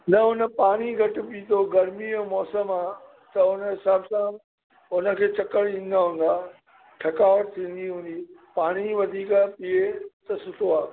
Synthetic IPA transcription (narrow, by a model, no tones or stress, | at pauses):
nɐʊnə̆paːɽ̃iɡʱɐʈ̆ɓiːt̪ʰoɡɐɾmiɛ̃ːmɔːsəmaː | t̪ɐʊnəɦɪsaːbsã | ʊnə̆kʰeːt͡ɕʰɐkəɽ̃ĩːn̆d̪aɦũːn̆d̪aː | ʈʰɐkaːʋəʈt̪ʰĩːn̆d̪iɦũːn̆d̪iːpaːɽ̃iʋɐd̪ʱiːkapiet̪ɐsʊt̪ʰoaː